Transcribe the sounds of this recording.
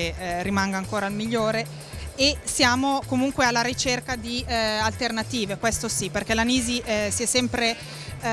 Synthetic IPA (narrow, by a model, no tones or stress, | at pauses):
erimaŋɡaːŋkoːɾalmiʎːoːɾeː | sjaːmokomuŋkwealːaɾit͡ʃerkad̪ialt̪ernat̪iːvekwest̪osiperkɛlaniːziʔsiɛsːɛmpɾe